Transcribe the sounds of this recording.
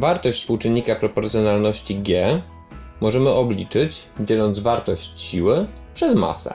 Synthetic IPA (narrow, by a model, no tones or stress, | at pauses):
vaɾt̪ɔɕt͡ɕ̪ʲspuwt͡ʂɘnʲːikapɾɔpɔɾt̪sjɔnalnɔɕt͡ɕiɡʲɛ | mɔʐɛmɘʔɔblʲit͡ʂɘt͡ɕd͡ʑɛlɔnd̪zvaɾt̪ɔɕt͡ɕɕiwɘ | pʂɛzma̰sɛ̰